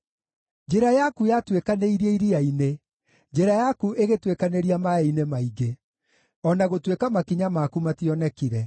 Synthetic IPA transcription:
d͡ʒeɾajakujatwekaneiɾieiɾiaine | d͡ʑeɾajakuʔeɣetwekaneɾiamaeinemaiɡe | ɔnaɣotwekamakiɲamakumatiɔnɛkiɾɛ

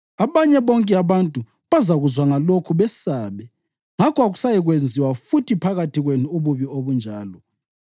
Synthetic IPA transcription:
aβaɲɛβɔŋkʼɛaβantʼu | βazaɣuzwaŋalokʰuβɛsaβɛ | ŋakʰɔaɣusajɛɣwend͡zʱiwafutʰipʰaɣatʰiɣwenuuβuβioβund͡ʒʱaːlɔ

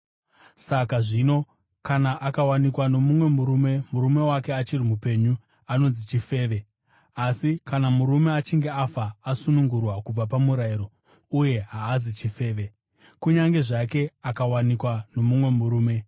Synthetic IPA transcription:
sakaʐino̞ | kanaʔakawanikwano̞mumwe̞muɾume̞muɾume̞wake̞at͡ʃirimupe̞ɲu | ano̞nzit͡ʃife̞ːʋe̞ | asikanamuɾume̞at͡ʃiŋɡe̞afaːsunuŋɡurwakub͡vapamuɾaiɾo̞ | uje̞ɦaːzit͡ʃife̞ːʋe̞ | kuɲaŋɡe̞ʐake̞akawanikwano̞mumwe̞muɾuːme̞

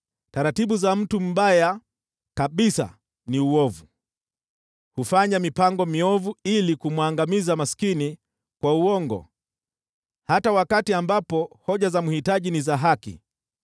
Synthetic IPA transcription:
taɾatiɓuzam̩tum̩ɓaja | kaɓisa̰ | niuwɔvu | hufaɲamipaŋɡɔmiɔvuilikumwaŋɡamizamaskini | kwauɔŋɡɔ̰ | hatawakatiambapɔhɔʄazamuhitaʄinizaɦakḭ

